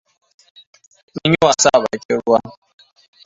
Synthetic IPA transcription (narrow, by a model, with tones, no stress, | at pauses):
ni˦ɲi˦wa˨sa˦˨βa̰˨˦ke˦ɾu˦a˦